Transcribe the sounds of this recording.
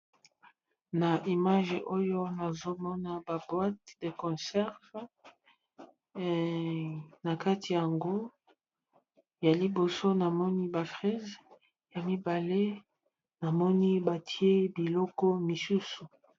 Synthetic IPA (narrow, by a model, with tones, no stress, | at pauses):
na˨ʔi˨ma˦ʒʔo˦jo˦na˨zo˦mɔ˦na˦ba˨bwa˦t̚de˨kɔ̃˨sɛ˦ʁv | na˨ka˦ti˨ja˨ŋɡo˦˨ | ja˨li˨bo˨so˦na˨mɔ˦ni˦ba˨fʁɛ˦z | ja˨mi˦ba˨le˦ | na˨mɔ˦ni˦ba˨tʰi˦e˦bi˨lɔ˦kɔ˦mi˨su˦su˨